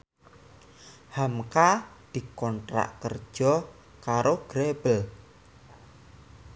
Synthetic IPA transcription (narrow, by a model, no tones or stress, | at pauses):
hamkad̪̥i̤kɔnʈɾa̰ʔkər̥ʒ̥ɔ | kaɾoɡ̥ɾeb̥əl